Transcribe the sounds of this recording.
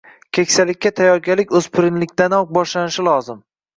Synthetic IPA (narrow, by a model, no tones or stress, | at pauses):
kʲʰekʲsalɪkʲːat̪ʰajɒɾɡʲalɪkʲɵz̥pʰɪɾɪnlɪkʲt̪anɒq̚bɒʃlanɪʃɪlˠɒzɪm